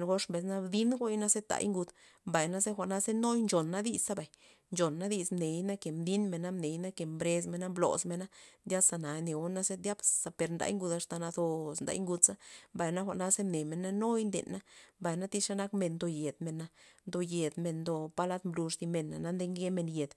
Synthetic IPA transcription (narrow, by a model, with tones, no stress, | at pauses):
nɡo˦ʂmbe˨˧sna˦bd̪i˦nɡo˦jna˦se˦t̪a̰˧˨jŋɡu˧d̪ | mba˨jna˦ze˦xʷa˨ʔna˦ze˦no˦jnd͡ʒo˨nːa˦d̪i˧sa˦ba˨j | nt͡ʃo˨nːa˦d̪i˧smne˨jna˦ke˨md̪i˦nme˨na˦mne˨jna˦ke˨mbɾe˧s̬me˧na˦mblo̰˨sme˧na˦ndʲja˦sa˧na˨ne˨o˦na˦se˦d̪ja˦bsa˧pe˧ɾnd̪a̰˧jŋɡu˧d̪a˧ʂt̪a˧na˧d̪o˧snd̪a̰˧˦jŋɡu˧d̪sa˦mba˨jna˦xʷa̰˧˨ʔna˦se˦mne˨me˨na˦no˦jnd̪ḛ˨nːa˦mba˨jna˦t̪i˦ʂa˦na˦kme˧nd̪o˧je˨d̪me˨na˧nd̪o˧je˨d̪me˧nd̪o˧pa˧la˦t̪mblu˧ʂt̪i˧me˨nːa̰˨na˦nd̪e˧˦ŋɡe˦me˧nje˨d̪